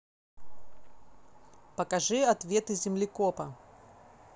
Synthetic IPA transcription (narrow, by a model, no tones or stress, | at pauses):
pɐkɐʐɨɐt̪vʲet̪ɨzʲɪmlʲɪkopɐ